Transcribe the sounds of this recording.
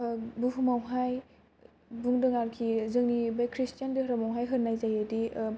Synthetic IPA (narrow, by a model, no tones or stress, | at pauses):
buɦumawɦaj | buŋdɯŋaɾkʰizɯŋnibajkʰɾistijandiɦɾamawɦajɦɯɾnajzajedi